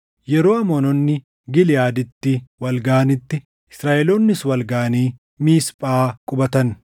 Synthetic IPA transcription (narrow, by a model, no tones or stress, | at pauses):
jɛɾo̞ːɐmɔːnɔnːɪ | ɡɪlɪjaːd̪ɪt̪ːɪwɐlɡaːɐnɪt̪ːɪ | ɪsɾaːʔɛloːnːɪswɐlɡaːɐniː | miːspʼaːkʼʊbɐt̪ɐn